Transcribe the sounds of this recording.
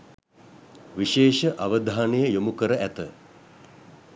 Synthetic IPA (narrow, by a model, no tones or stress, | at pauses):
ʋiʃeːʃəʔaʋəd̪ʱaːnejəjomukəɾəʔæt̪ə